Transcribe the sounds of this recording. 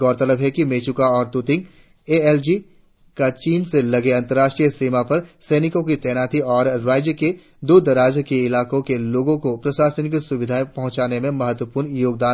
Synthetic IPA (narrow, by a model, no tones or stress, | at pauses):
ɡɔːɾt̪ɐləbɦɛkimeːt͡ʃukaɔːɾt̪ut̪ɪ̃ŋɡ | eːɛld͡ʒi | kat͡ʃiːnselɐɡeɐ̃nt̪əɾːaːʃʈɾijəsiːmapɐɾsɛːnɪkõkit̪ɛːnaːt̪ʰiɔːɾɾaːd͡ʒjəke | d̪uːd̪ɐɾaːd͡ʒkeɪlaːkõkeloːɡõkopɾɐʃaːsənɪksʊʋɪd̪ʱaipɐ̃ɦʊ̃t͡ʃaːnemẽmɐɦət̪wəpuːɾɳjoːɡ̚d̪aː